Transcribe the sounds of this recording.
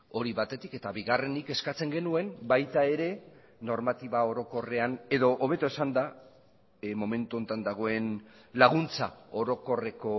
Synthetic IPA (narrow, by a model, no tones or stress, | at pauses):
o̞ɾiβat̪e̞t̪ike̞t̪aβiɣare̞nike̞skat͡se̞ŋɡe̞nue̞mbajt̪ae̞ɾe̞ | no̞ɾmat̪iβao̞ɾo̞ko̞re̞ane̞ðo̞ʔːβ̞e̞t̪oesand̪a | mo̞me̞nt̪uo̞nt̪and̪aɣ̞o̞e̞n | laɣ̞unt͡sa̰o̞ɾo̞ko̞re̞ko̞